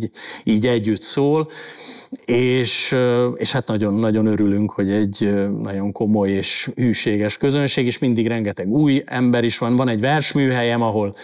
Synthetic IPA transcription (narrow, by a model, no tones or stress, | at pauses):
iːɟɛɟːyt̪soːl | eːʃeːʃhat̪nɒɟo̞nːɒɟo̞nø̞ɾylyŋkho̞ɟɛɟnɒɟo̞ŋko̞mo̞jeːʃhyːʃeːɡɛʃkø̞zønʃeːɡeːʃmind̪iɡɾɛŋɡɛt̪ɛɡuːjɛ̰mbɛɾiʃʋɒnvɒnɛɟvɛrʃmyːɦɛjɛmɒɦo̞l